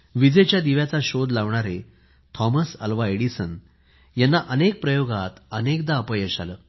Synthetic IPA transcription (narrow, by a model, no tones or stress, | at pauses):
ʋid͡zet͡ɕjad̪iʋjat͡saɕod̪laʋɳ̃aɾe | t̪ʰɔməsəlʋaeɽisən | janːaʔənek̚pɾəjoɡat̪ənekd̪aːpəjəɕa̰ləː